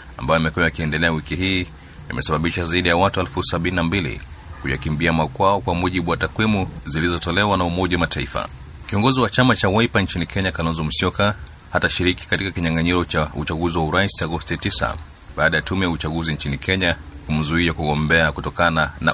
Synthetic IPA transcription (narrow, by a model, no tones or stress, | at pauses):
a̰mbajɔimɛkuwajakiɛndɛlɛawikiɦiː | a̰mʔɛsaɓaɓiʃazaiɗijawatuɛlfusaɓininambilḭkuja̰kimbiamakwaɔkwamuʄiɓuwatakwimuzilizɔtɔlɛwanaumɔʄawamataifa̰ | kiɔŋɡɔziwat͡ʃamat͡ʃawaipant͡ʃinikʰɛɲakalɔnzɔm̩sjɔka | hataʃiɾiki̥katikakiɲaŋɡaɲiɾɔt͡ʃaut͡ʃaɡuziwauɾaisit͡ʃaɡɔstitisa̰ | ɓaːɗajatumɛjaut͡ʃaɡuzint͡ʃinikʰɛɲakum̩zuiakuɠɔmbɛakutɔkanana̰